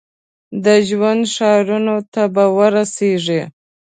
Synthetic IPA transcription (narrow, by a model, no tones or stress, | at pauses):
d̪əʒwand̪ʂɑɾunot̪abawəɾaseʐe